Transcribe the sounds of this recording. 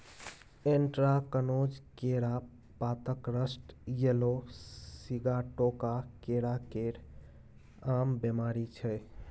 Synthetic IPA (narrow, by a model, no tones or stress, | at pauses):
eɳʈɾakənod͡ʒkeɾa | pat̪əkɾəsʈjelosiɡaʈokakeɾakeɾ | ambemaɾit͡ʃʰɛ